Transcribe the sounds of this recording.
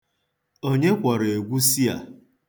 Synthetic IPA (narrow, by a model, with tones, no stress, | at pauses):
o˦ɲe˦kʷa˨ɾe˨ɡʷu˦si˦a̰˨